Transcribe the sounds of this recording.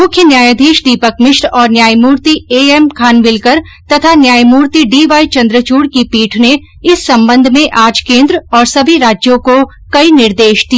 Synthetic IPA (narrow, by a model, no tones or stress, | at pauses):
mʊkʰjənjaːjəd̪ʱiːʃd̪iːpəkmɪʃɾɔːɾnjaːjmuːɾt̪ieːemkʰaːnbɪlkəɾ | t̪ɐt̪ʰanjaːjmuːɾt̪iɖiːʋaːit͡ʃɐ̃nd̪ɾət͡ʃuːɽkipiːʈʰne | ɪsːɐ̃mbə̃nd̪ʱmẽʔaːd͡ʒkẽːnd̪ɾɔːɾsɐbʱiɾaːd͡ʒjõko | kɐinɪɾd̪eːʃd̪i